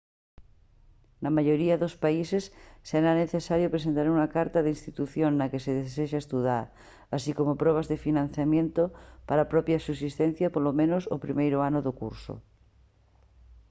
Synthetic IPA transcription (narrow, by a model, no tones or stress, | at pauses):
nɐmaʝoɾiaðospaisesːeɾaneθesaɾjopɾes̬ent̪aɾuŋakaɾt̪aðeinst̪it̪uθjoŋnɐkeseðeseʃaest̪uðaɾ | asikomopɾɔβ̞azðefinãn̟θjamjẽnt̪opaɾapɾɔpjasus̬ist̪ẽn̟θjapolomẽnoso̰pɾimejɾoanoðokṵɾso̰